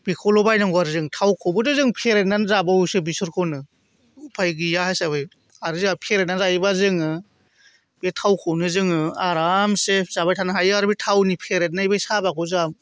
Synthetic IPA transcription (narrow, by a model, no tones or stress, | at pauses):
bikʰɔlɔbajnaŋɡɔaɾzɯŋtʰawkʰɔbɯdɯzɯŋpʰeɾenanzabausɯbisuɾkʰɔnɯ | upʰajɡijahajsaβɯj | aɾɯzɯapʰeɾet̚nanzajibazɯŋɯ | betʰawkʰɔwnɯzɯŋɯaɾamsepzabajtʰanaɦajɯaɾɯbitʰawnipʰeɾet̚najbajsabakʰɔzam